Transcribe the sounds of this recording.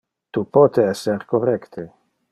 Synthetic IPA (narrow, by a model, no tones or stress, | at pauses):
t̪upɔt̪eɛsːeɾkorːɛkt̪ʰe